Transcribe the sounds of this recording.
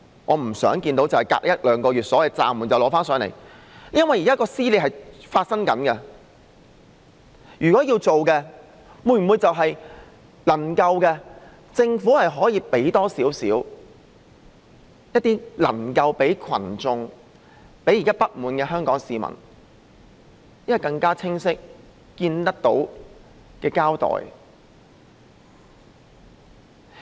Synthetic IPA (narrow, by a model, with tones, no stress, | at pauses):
ŋɔː˨˧m̩˨˩sœ̰ː˨˥ŋkiː˧nt̪o˨˥wt͡sɐ˨whɐ˨˩jka̰ː˧k̚jɐ˥t̚lœː˨˧ŋkɔː˧ɥyː˨t̚sɔː˨˥wɐ˨jt͡sa̰ː˨mːuː˨˩nt͡sɐ˨wlɔː˨˧˥faː˥nsœː˨˥nlḛ˨˩j | jɐ˥nwɐ˨jiː˨˩kaː˥kɔː˧siː˥le˨˧˩ɦɐ˨jfaː˧t̚sɐ˥ŋkɐ˨˥nkɛ˧ | jyː˨˩kɔː˨˥jiː˧wt͡so˨wkɛ˧ | muː˨˧˩jm̩˨mu˨˧jt͡sɐ˨wɦɐ˨j | lɐ˨˩ŋkɐ˧wkɛ˧ | t͡sɪ˧ŋfuː˨˥hɐ˨jɦɔː˨˥jiː˧pe˨˥jt̪ɔː˥siː˨˥wsḭː˨˥w | jɐ˥t̚t̪iː˥lɐ̰˨˩ŋkɐ˧wpe˨˥jkʰwɐ̰˨˩nt͡sʊ˨ŋ | pe˨˥ji˨˩kaː˥pɐ˥t̚muː˨˥nkɛː˧ɦœː˥ŋkɔː˨˥ŋsiː˨mɐ̰˨˩n | jɐ˥nwɐ˨˩jkɐ˧ŋkaː˥t͡sʰɪ˥ŋsɪ˥k̚ | kiː˧nt̪ɐ˥k̚t̪o̰˨˥w | kɛː˧kaː˥wt̪ɔ̰ː˨j